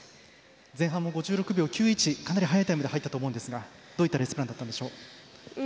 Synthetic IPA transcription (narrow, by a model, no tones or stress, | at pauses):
d͡zẽ̞ɦãmːo̞ɡo̞ʑɨːɾo̞kɯ̟bʲjo̞ːkʲɨːit͡ɕikanaɾʲiɦajait̪aimɯd̪ɦait̪ːat̪oːmo̞ɯ̟̃nd̪esɨɡa | d̪oːit̪ːaɾe̞sɨ̥pɯɾãnd̪at̪ːand̪eɕo̞ː